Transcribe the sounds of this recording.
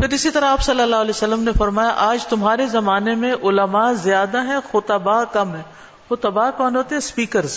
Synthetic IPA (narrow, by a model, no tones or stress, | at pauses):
pʰɪɾɪsit̪ɐɾaaːpsɐlːəlːaːɦʊlɛsɐlːəmnefɐɾmaːjaʔaːd͡ʒt̪ʊmɦaːɾezɐmaːnemẽʔʊləmazjaːd̪aɦɛ̃xʊt̪ɐbaːkɐmɦɛ̃ | xʊt̪ɐbaːkɔːnɦoːt̪eɦɛ̃spiːkəɾz